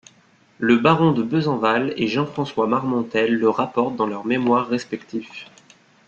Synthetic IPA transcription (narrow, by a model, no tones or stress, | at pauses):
ləbaʁɔ̃d̪əbəzɑ̃valeʒɑ̃fχɑ̃swamaʁmɔ̃t̪ɛlːəʁapɔʁt̪̚d̪ɑ̃lœʁmemwaʁːɛspɛk̚t̪ʰif